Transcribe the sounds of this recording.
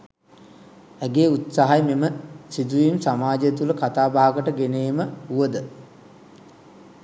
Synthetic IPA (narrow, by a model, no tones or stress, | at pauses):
æɡeːut̪saɦajmeməsid̪uʋimsamaːd͡ʒjet̪uləkat̪aːbaɦaɡəʈəɡeneːməuʋəd̪ə